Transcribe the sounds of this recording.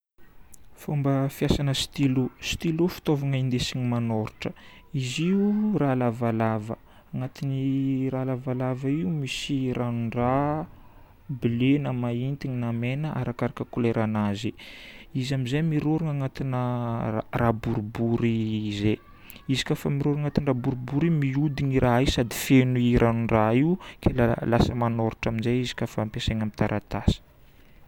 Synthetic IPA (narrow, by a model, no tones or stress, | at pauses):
fumbəfjasanəsi̥t̪ilusi̥t̪ilufi̥t̪ovaŋəind̪esiɲimanoɾuʈ͡ʂə̥ | iziuralavalavə̰ | aŋat̪iniralavalavəiumisirʔanuɳɖ͡ʐa | bilenamaint̪iɲinamenəʔa̰ɾakaɾakəkuleɾʔanaziizamizemiɾoɾiŋaŋat̪inə | rabuɾubuɾize | izi̥kʲafamiɾoɾaŋat̪inrabuɾubuɾimiud̪iɲiɾʔaisad̪i̥fenuiɾʔanuɳɖ͡ʐaiukʰelalasəmanoɾuʈ͡ʂaminzeizi̥kafampeseɲamit̪aɾʔat̪asə̥